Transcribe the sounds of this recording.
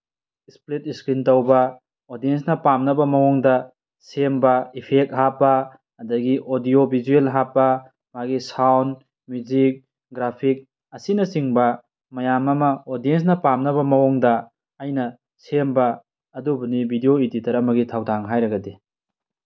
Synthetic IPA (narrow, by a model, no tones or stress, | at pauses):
isplit̚iskɾintɐwbɐ | odiensnɐpamnɐbɐmɐwɔŋdɐ | sembɐipʰek̚ɦapːɐː | dɐɡiʔodijobʱizuelɦapːɐ | maɡisawn | mjud͡ʒik̚ | ɡɾapʰik̚ | ɐsinɐsiŋbɐ | mɐjamɐmɐodiens̬nɐpamnɐβɐmɐwoŋdɐ | ɐjnɐ | sembɐː | dubɐnibʱidijoiditɐɾɐmɐɡitʰawtʰaŋɦajɾɐɡɐdi